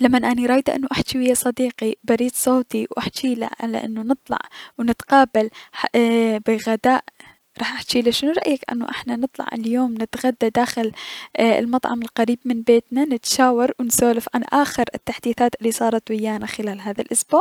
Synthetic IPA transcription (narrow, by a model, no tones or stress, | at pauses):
lamːanʔaniɾˤɑːjd̪ʔɪ̰nːuʔaħt͡ʃiwɪjːasˤɑd̪iːqibaɾiːd̪sˤoːt̪iwʔaħt͡ʃiːla̰ʕa̰la̰ʔɪ̰nːunɨt̪ˤlɑ̰ʕwnɪt̪qɑːbalħbɪɣad̪aːʔ | ɾˤɑːħʔaħt͡ʃiːlaʃɪnuɾˤɑʔjakʔɪ̰nːṵʔɪ̰ħnanɨt̪ˤlɑ̰ʕa̰ljoːmnɪt̪ɣad̪ːad̪aːxɪlɪ̰lmɑt̪ˤʕɑmɪlqaɾiːbmɪnbeːt̪nanɪt̪ʃaːwɑɾˤwɪnsoːlafʕanʔaːxɪɾɪt̪ːaħd̪iːθaːt̪ʔɪlːisˤɑːɾˤɑt̪wɪjːaːnaxɪlaːlɦaːðalʔʊsboːʕ